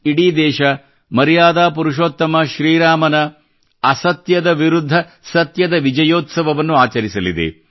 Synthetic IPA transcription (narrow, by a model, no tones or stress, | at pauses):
iɽiːd̪ɛːʃɐ | mɐɾijaːd̪aːpuɾuʂ̬oːt̪ːɐmɐʃɾiːɾaːmɐnɐː | sɐt̪jɐd̪ɐʋiɾud̪ʱːɐ | sɐt̪jɐd̪ɐʋid͡ʒɐjoːt̪sɐʋɐʋɐnːuaːt͡ʃɐɾisɐlid̪ḛ